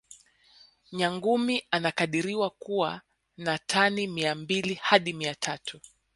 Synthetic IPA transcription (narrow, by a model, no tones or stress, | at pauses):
ɲaŋɡumianakaɗiɾiwakuwa | natʰanimiambilihaɗimiatʰatʰu